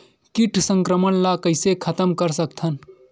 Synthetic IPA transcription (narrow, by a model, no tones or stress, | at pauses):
kiʈʰsə̃ŋkɾəmənlakəɪsekʰət̪əmkəɾsək̚t̪ʰən